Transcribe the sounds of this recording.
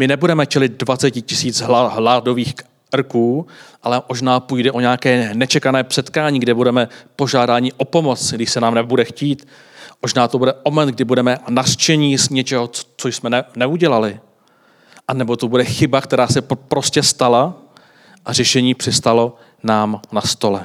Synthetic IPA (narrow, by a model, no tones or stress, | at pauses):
mɪnɛbudɛmɛt͡ʃɛlɪt̪̚dvat͡sɛcɪcɪsiːt͡sɦɦlaːdo̞viːx | rkuːʔalɛmo̞ʒnaːpujdɛʔo̞ɲɛakɛːnɛt͡ʃɛkanɛːpsɛt̪kaːɲiːɡdɪbudɛmɛpo̞ʒaːdaːɲɪʔo̞po̞mo̞t͡sɡdɪʃsɛnaːmnɛbudɛxciːt̪ | moʒnaːt̪o̞budɛʔomɛnd̪ɡdɪbudɛmɛnar̥t͡ʃɛɲiːzɲɛt͡ʃɛɦot͡sojsmɛnɛnɛuɟɛlalɪ | ʔanɛbo̞t̪obudɛxɪbakt̪ɛɾaːsɛpɾo̞scɛst̪ala | ʔar̝ɛʃɛɲiːpr̥ɪst̪alo̞ | naːmnast̪o̞lɛ